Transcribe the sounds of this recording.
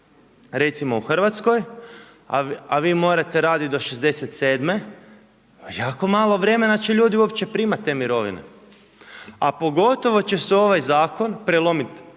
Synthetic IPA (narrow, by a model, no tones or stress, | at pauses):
ɾe̞t̪simo̞uxr̩ʋat̪sko̞j | aʋiːmo̞ːɾat̪e̞ɾaːd̪id̪o̞ʃezd̪e̞set̪se̞ːd̪me̞ | jaːko̞maːlˠo̞ʋɾe̞me̞nat͡ɕeʎuːd̪iuopt͡ɕe̞pɾiːmat̪ːemiɾo̞ʋḭnḛ | apo̞ɡo̞t̪o̞ʋo̞t͡ɕe̞seo̞ʋajzaːko̞npɾelo̞mit̪